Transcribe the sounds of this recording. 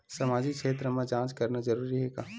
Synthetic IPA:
sɐmaːd͡ʒikʃeːt̪̬ɾəmẽd͡ʒãːt͡ʃkɐɾnad͡ʒɐɾuːɾiɦeːɡaː

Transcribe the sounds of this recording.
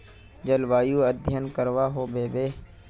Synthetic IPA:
d͡ʒəlʋaːjuːəd̪ʱjənkəɾʋaːɦoːbeːbeː

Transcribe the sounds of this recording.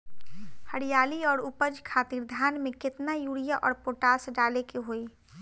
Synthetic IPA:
həɽijaːliɔːɾupəd͡ʒkʰaːt̪iːɾd̪ʱaːnmẽkɪt̪najuːɽijaʔɔːɾpoʈaːsɖaːlekeɦoːi

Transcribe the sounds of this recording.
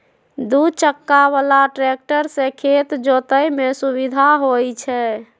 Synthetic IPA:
d̪ud̪t͡ʃəkːaβalaʈɾek̚ʈəɾsẽkʰet̪d͡ʒot̪əjmesuβid̪ʱaɦojt͡ʃʰɛ

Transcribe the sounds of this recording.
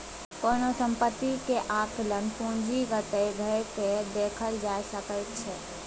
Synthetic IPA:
konosəmpət̪ːikeʔakʰlənpũnd͡ʒiɡət̪əjɡʱəeked̪ekʰəld͡ʒajsəkəjt̪̚t͡ʃʰɛ

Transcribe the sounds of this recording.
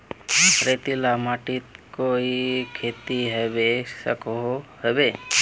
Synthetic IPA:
pɾet̪ilamaʈit̪koikʰet̪iɦəʋesəkoɦəbe

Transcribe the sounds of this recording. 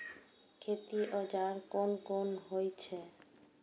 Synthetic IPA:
kʰet̪iʔod͡ʑaɾkonkonɦojt͡ɕʰe

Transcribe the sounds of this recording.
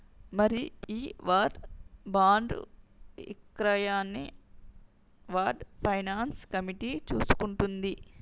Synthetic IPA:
mɐɾiiːʋaːɖbaːɳɖ̰ | ḭkɾɐjaːnːi | ʋaːɖpʰɐjnaːnskɐmiʈit͡ʃuːsu̥kuɳʈund̪i

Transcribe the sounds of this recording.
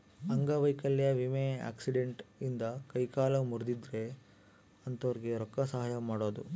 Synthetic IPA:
ɐŋɡɐʋɐjkɐlːjɐʋimea̰ːksiɖeɳʈind̪ɐkɐjkaːlɐmuɾd̪id̪ɾe | ɐnt̪ɐʋɾɡe̞ɾɔkːɐsɐɦaːjɐmaːɽoːd̪u

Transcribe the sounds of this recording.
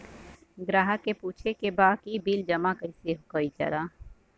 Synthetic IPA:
ɡɾaːɦəkepuːt͡ʃʰekebaːkibiːld͡ʒɐmakəɪseɦokəid͡ʒɐ̰ɾaː

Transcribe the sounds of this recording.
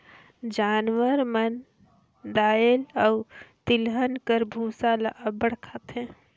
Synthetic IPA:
d͡ʒaːnwəɾmən | d̪aːelɔʊt̪ɪlɦənkəɾbʱũːsalaʔəbəɽ̤kʰat̪ɦɛ̃ː

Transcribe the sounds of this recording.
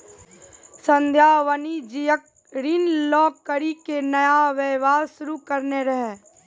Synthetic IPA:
sə̃nd̪ʱjaːʋənid͡ʒijək̚ | ɾinlɔːkːəɾikenəjaʋeːʋaːɾʃʊɾukəɾneɾəɦe

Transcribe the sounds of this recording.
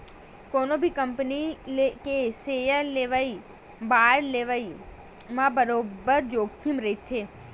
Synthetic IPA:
koːnõbʱikəmpnilekeseːjəleːʋəi | baːɾleːʋəi | mãːbəɾoːbəɾd͡ʒoːɡt̪ʰimɾəit̪ʰeː

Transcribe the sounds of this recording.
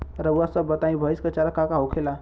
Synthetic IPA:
ɾəuasəbːət̪aĩbʱəiskət͡ʃalakakaɦokʰela

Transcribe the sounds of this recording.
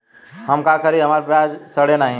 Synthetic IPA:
ɦɐmkakʰəɾiɦɐmaːɾpɾaːd͡ʒsəɽenaːɦĩ

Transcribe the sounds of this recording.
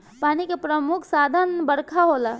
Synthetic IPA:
panikepɾəmukʰsaːd̪ʱənbəɽkʰaɦola

